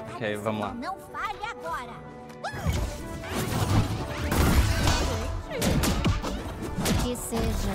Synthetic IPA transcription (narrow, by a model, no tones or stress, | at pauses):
ɔkejvɐ̃mʊla̰nɐ̃w̃faʎaɡɔɾɐ | ʊkɪseʒɐ